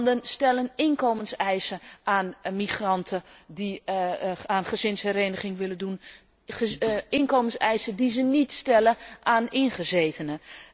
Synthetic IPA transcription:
ndənstɛlənɪnkoːmənsɛjsəʔaːnmiχrɑntʰədi | anχəzɪnshɛɾeːnəɣɪŋʋɪlədun | ɪnkoːmənsɛjsədizənitstɛləʔaːnɪnχəzeːtʰənə

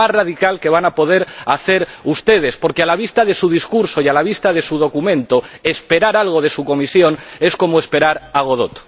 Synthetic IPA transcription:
asraðikalke̞β̞anapo̞ð̞e̞ɾaθe̞ɾust̪e̞ð̞e̞spo̞ɾkealaβ̞ist̪aðe̞suðiskuɾso̞ialaβ̞ist̪að̞e̞suðo̞kumẽ̞nt̪oe̞spe̞ɾaɾalɣ̞o̞ðe̞suko̞misjo̞ne̞sko̞moespe̞ɾaɾaɣ̞o̞ð̞o̞t̪

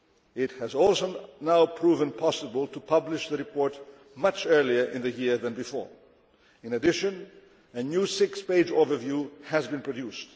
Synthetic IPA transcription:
ɪt̚hɨzɔlˠsoʊnaʊpʰɹ̥uvə̃npʰɑsəbəlˠtʰəpʰʌblɪʃðəɹɨpʰɔɹt | mʌt͡ʃɜ˞liə˞ʔɪ̃nðɨjɪɹðɨ̃nbɨfɔ̰ɹ | ɨ̃nɨdɪʃɨ̃n | ɨnjusɪkspeɪd͡ʒoʊvə˞vjuɨzbɨ̃npʰɹ̥ɨdjust

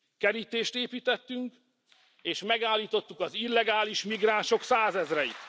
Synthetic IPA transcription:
kɛɾit̪eːʃt̪eːpiːt̪ɛt̪ːyŋk | eːʃmɛɡaːlːiːt̪o̞t̪ːukɒzilːɛɡaːliʃmiɡraːnʃo̞ksaːzɛzrɛjit̪

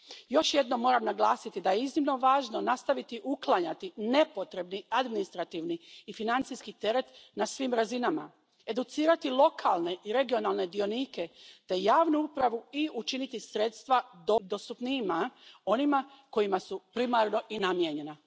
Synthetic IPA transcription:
jo̞ʃje̞d̪no̞mːo̞ːɾamnaɡlˠaːsit̪id̪aje̞iznimno̞ʋaːʒno̞nast̪aʋit̪iʔuklˠaɲat̪ine̞po̞t̪ɾe̞bniad̪minist̪ɾat̪iʋniːfinant̪sijskit̪e̞ɾe̞t̪nasʋiːmɾazinama̰ | e̞d̪ut̪siːɾat̪ilˠo̞kʰalˠne̞ʔiɾe̞ɡio̞nalˠne̞d̪io̞niːke̞t̪e̞jaːʋnuupɾaʋuiut͡ʃinit̪isɾeːt̪st̪ʋad̪od̪o̞st̪upnimao̞nimako̞jimasupɾimaɾno̞ʔinamjeɲe̞na

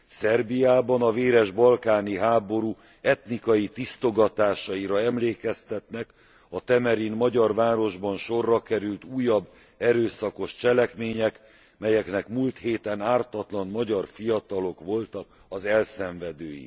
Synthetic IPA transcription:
sɛrbijaːbɒnɒveːɾɛʒbɒlkaːniɦaːbo̞ɾuː | ɛt̪nikɒjit̪ist̪o̞ɡɒt̪aːʃɒiɾɒɛmleːkɛst̪ɛt̪nɛk | ɒt̪ɛmɛɾinmɒɟɒrvaːɾo̞ʒbɒnʃo̞rːɒkɛɾylt̪uːjːɒbː | ɛɾøːsɒko̞ʃt͡ʃɛlɛkmeːɲɛk | mɛjɛknɛkmuːlt̪heːt̪ɛnaːrt̪ɒt̪lɒnmɒɟɒrfijɒt̪ɒlo̞kʋo̞lt̪ɒk | ɒzɛlsɛɱvɛd̪øːjḭ

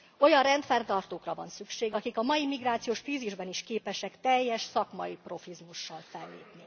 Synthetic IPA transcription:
o̞jɒrrɛnt̪fɛrt̪ɒrt̪oːkrɒvɒ̰nsykʃeːɡɒkikɒmɒjimiɡraːt̪sijoːʃfiːziʒbɛniʃkeːpɛʃɛkt̪ɛjːɛʃsɒkmɒjipro̞fizmuʃːɒlfɛlːḛːpni

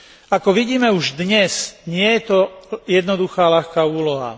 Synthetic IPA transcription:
akɔʋiɟiːmɛuʒd̪ɲɛsɲɪɛjɛt̪ɔjɛd̪nɔd̪uxaːlaxkaːuːlɔɦa̰

